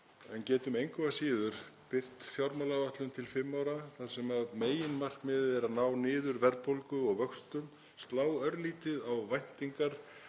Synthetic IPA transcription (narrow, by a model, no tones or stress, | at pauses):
ɛncɛːt̪ʏmejŋkʏasiːðʏɾ̥pɪr̥t̪fjawɾmalavaht̪lʏmt̪ʰɪlfɪmːaːwɾaθḁsɛmaðmeːjɪnmar̥kmɪːððɛɾaðnaːwnɪːðʏɾvɛɾpowlkʏɔɣvœkst̪ʏn | st̪laːwœɾliːt̪ɪðawvajn̥t̪iŋkaɾ̥